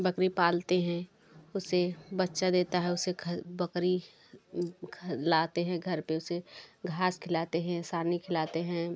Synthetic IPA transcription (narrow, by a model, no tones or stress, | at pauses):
bɐkɾipaːlt̪eɦɛ̃ | ʊsebɐtːʃad̪eːt̪aɦɛ̃ʊsekʰbɐkɾi | kʰlaːt̪eɦɛ̃ɡʱɐɾpeʊseɡʱaːskʰɪlaːt̪eɦɛ̃saːnikʰɪlaːt̪eɦɛ̃